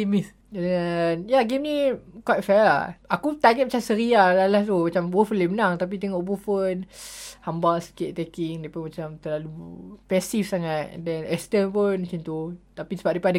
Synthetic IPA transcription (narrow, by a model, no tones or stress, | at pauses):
imis | anjaɡemnikwajʔfɛla̰akut̪aɡɛt̪̚mat͡ʃamsəɾialalaht̪umat͡ʃambufənlemənaŋt̪ap̬it̪̬ɛŋɔʔbufənhambasə̥kɪʔ̚t̪ɛkiŋdepamat͡ʃamt̪əlalupɛsifsaŋat̪̚dɛnɛst̪ənpənat͡ʃint̪ut̪apisəbaʔ̚depadə